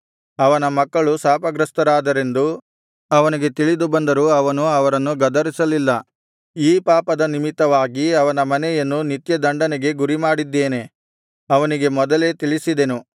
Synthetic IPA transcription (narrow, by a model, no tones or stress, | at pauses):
ɐʋɐnɐmɐkːɐɭusaːpɐɡɾɐst̪ɐɾaːd̪ɐɾe̞nd̪u | ɐʋɐniɡe̞t̪iɭid̪ubɐnd̪ɐɾuɐʋɐnuɐʋɐɾɐnːuɡɐd̪ɐɾisɐlilːɐ | iːpaːpɐd̪ɐnimit̪ːɐʋaːɡiɐʋɐnɐmɐnɛjɐnːunit̪jɐd̪ɐɳɖɐnɛɡe̞ɡuɾimaːɽid̪ːeːne̞ | ɐʋɐniɡe̞mɔd̪ɐle̞ːt̪iɭisid̪enu